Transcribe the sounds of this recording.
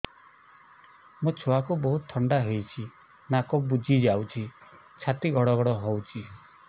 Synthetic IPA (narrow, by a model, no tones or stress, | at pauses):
mũt͡ʃʰoakubɔɦut̪t̪ʰːɔɳɖaɦejt͡ʃʰi | nakɔbud͡ʒʱid͡ʒawt͡ʃʰi | t͡ʃʰat̪iɡʱɔɽɔɡɔɽɔɦowt͡ʃʰi